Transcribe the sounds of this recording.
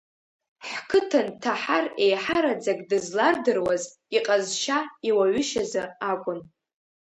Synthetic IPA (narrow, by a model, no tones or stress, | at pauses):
ħkʰɨtʰɨntʰaħare̞jħaɾad͡zakʼdɨzlardɨrwaz | iqʼazʃaiwaɥʏʃazɨakʷʼʊn